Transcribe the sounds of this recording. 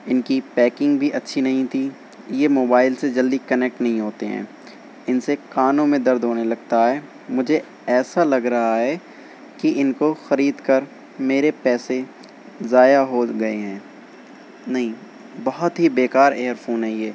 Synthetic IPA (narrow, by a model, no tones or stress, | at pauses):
ɪnkipɛːkɪ̃ŋɡbʱiʔɐtːʃʰinɐɦĩt̪ʰiː | jemoːbaːɪlsed͡ʒɐld̪ikɐnɛk̚ʈnɐɦĩɦoːt̪eɦɛ̰̃ː | ɪnsekaːnõmẽd̪ɐɾd̪ʱɦoːnelɐɡ̚t̪aɦɛː | mʊd͡ʒʱe | ɛːsalɐɡɾɐɦaɦɛː | kiʔɪnkoxɐɾiːd̪kɐɾ | meːɾepɛːse | zaːjaɦoɡɐeɦɛ̃ː | nɐɦĩ | bɐɦʊt̪ɦibeːkaːɾeːəɾfoːnɦɛ̃jeː